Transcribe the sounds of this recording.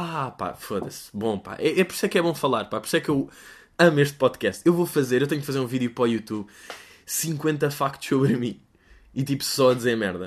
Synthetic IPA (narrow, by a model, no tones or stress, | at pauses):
apa̰foðɐ̰sbõpa̰ʔɛʔɛpɔɾisɛkɛβõfɐlˠaɾpapɔɾisɛkew | ɐmeʃt̪̚pɔðkɛst̪ewvofɐzeɾewt̪ɐɲufɐzeɾũviðjupɾɔjut̪uβ | sĩŋkwẽnt̪ɐfakt̪u̥ʃsoβɾmĩ | it̪ipu̥sɔɐd̪izeɾɐmɛɾðɐ